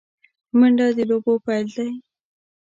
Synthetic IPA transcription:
məɳɖɑd̪əlobopajld̪aj

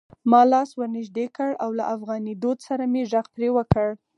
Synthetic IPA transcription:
mɑlɑswəɾnɪʒd̪ekəɽawla̰ʔafɣɑnid̪od̪saɾameʒaɣpɾewəkəɽ

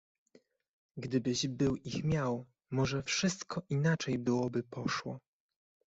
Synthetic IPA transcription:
ɡd̪ɘbɘʑbɘwʔixmʲjaw | mɔʐɛfʂɘst̪kɔʔinat͡ʂɛjbɘwɔbɘpɔʂwɔ

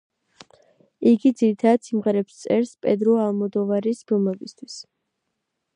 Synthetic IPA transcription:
iɡid̪ziɾit̪ʰad̪ad̪simʁɛɾɛpst̪sʼɛɾspʼɛd̪ɾɔalˠmɔd̪ɔvaɾisbɔlmɛbist̪ʰwis

